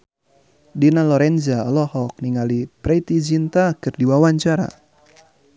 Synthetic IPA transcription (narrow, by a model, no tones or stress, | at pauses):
dinalɔɾɛnzaɔlɔhɔk̚niŋalipɾɛit̪id͡ʒint̪akɨrdiwawaɲt͡ʃaɾa̰